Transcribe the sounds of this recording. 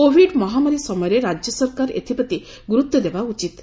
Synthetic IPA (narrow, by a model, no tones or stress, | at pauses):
kobʱiɖmɔɦamaɾisɔmɔjɔɾeɾad͡ʒjɔsɔɾkaɾḛt̪ʰipɔt̪i | ɡuɾut̪ːɔd̪ebaut͡ʃit̪